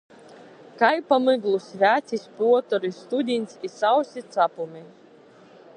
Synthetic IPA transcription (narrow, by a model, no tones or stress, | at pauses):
kajpamɨɡlˠusʲvʲæːt̪sʲisʲpuɔt̪ɔɾist̪ud̪ʲinʲt̪sʲisawsʲit̪sapumʲi